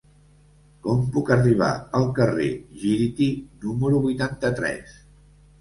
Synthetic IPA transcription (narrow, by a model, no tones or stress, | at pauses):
kɔmpukəriβ̞a̰əlˠkərḛʒiɾit̪inuməɾuβujt̪ant̪ət̪ɾɛ̰s